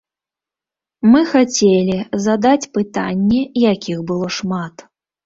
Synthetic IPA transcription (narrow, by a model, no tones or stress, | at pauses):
mɨxat͡sʲelʲizad̪at͡sʲpɨt̪anʲːɛjakʲixbɨlˠɔʂmat̪